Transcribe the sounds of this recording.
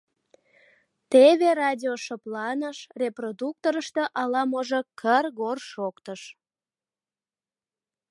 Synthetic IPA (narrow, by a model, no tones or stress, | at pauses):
t̪eβerɑdʲioʃəplɑnəʃreprod̪uk̚t̪oɾəʃt̪eʔɑlɑmoʒokʰərɣorʃokt̪əʃ